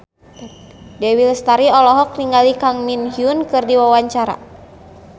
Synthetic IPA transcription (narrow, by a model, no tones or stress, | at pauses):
dɛwilst̪aɾiɔlɔɦɔk̚niŋalikaŋminhiunkɨrdiwawaɲt͡ʃaɾa̰